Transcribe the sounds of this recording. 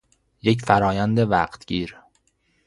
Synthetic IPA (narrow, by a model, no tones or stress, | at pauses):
je̞c̬fæɾɒːjænd̪evæɢt̪ʰɟ̥iːɾ